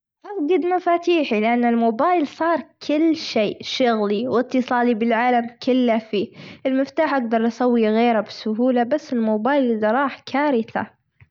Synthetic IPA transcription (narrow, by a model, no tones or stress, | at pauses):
ʔafɡɑd̪mafaːt̪iːħilɪʔanːɪlmoːbaːjlsˤɑːɾˤkʰɪlːʃeːʃʊɣliwɪt̪ːɨsˤɑːlibɪlʕaːlamkɪlːafiːʔɪlmɪft̪aːħʔaɡd̪ɑɾˤʔɑsawːiɣeːɾabɪsʊɦuːlabasːɪlmoːbaːjlʔɪðaɾˤɑːħkʰaːɾɪθa̰